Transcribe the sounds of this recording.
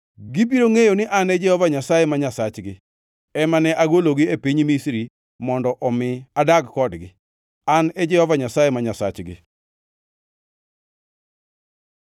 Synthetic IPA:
ɡibiɾoŋejonɪʔanɛd͡ʒɛhɔvaɲasajemaɲasat͡ʃɡɪ | ɛmanɛʔaɡoloɡɪepiɲmisɾi | mɔndɔʔɔmɪadaɡkɔdɡɪ | anɛd͡ʒɛhɔvaɲasajemaɲasa̰t͡ʃɡɪ̰

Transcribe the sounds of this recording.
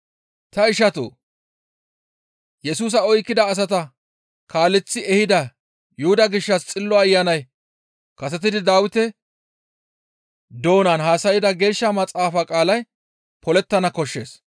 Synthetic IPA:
t̪ɐɪʃɐt̪o̰ː | jɛsuːs̬ɐɔjkːɪd̪ɐːs̬ɐt̪ɐ | kaːlːɛt͡sːɪɛhɪd̪ɐ | jʊhʊd̪ɐɡɪʃːɐst͡sʼɪlːɔɐjːanɐj | kɐsɛt̪ɪd̪ɪd̪aːwɪt̪ɛ | d̪o̞ːnɐnɦaːsɐjɪd̪ɐɡe̞ːʃːɐmɐt͡sʼaːfakʼaːlɐj | pʰɔlɛt̪ːɐnɐkɔʃːe̞̰ːs

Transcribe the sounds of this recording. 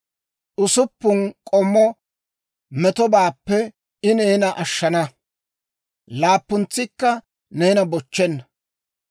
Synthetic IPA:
ʔʊsʊpːʊnkʼɔmːɔ | mɛt̪ɔbaːpːɛ | ɪneːnɐʔɐʃːɐnɐ | laːpːʊnt͡sːɪkːɐ | neːnɐbɔt͡ʃːɛnːɐ

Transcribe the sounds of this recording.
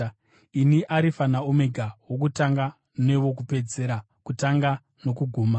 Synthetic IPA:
iniʔaɾifanaome̞ɡʱawok̬utaŋɡa | ne̞ʋo̞k̬upe̞d͡ze̞ɾa | kutaŋɡa | no̞kuɡʱuːma

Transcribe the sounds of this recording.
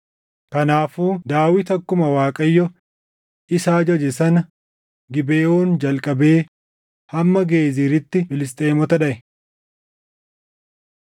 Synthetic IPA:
kɐnaːfuːd̪aːwɪt̪ɐkːʊmɐwaːkʼɐjːɔ | ʔɪsaːd͡ʒɔd͡ʒɛsɐnɐ | ɡɪbeːʔoːnd͡ʒɐlkʼɐbe̞ː | hɐmːɐɡe̞ːziːɾɪt̪ːɪbɪlɪst̪ʼe̞ːmɔt̪ɐᶑɐʔɛ

